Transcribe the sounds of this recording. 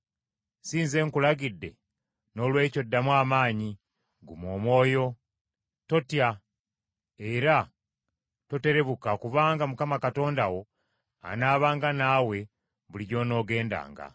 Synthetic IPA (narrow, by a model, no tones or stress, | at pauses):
siːnze̞ːŋkulaɡidːe̞̰ | no̞lwe̞ːco̞dːamwaːmaːɲi | ɡumoːmwo̞ːjo̞ | to̞tja | e̞ɾa | to̞te̞ɾe̞βukakuβaːŋɡamukamakato̞ːndawo̞ | a̰naːβaːŋɡanaːwe̞ | βuliɟo̞ːno̞ːɡe̞ːnda̰ːŋɡa̰